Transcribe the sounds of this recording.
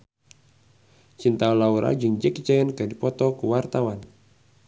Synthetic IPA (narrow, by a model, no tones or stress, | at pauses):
t͡ʃint̪aɔlauɾʔa̰d͡ʒɨŋd͡ʒɛkt͡ʃɛənkɨdipɔt̪ɔkuwart̪awan